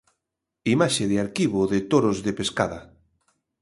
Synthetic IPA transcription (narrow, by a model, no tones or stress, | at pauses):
imaʃeðeaɾkiβ̞oðɪt̪oɾozðepeska̰ða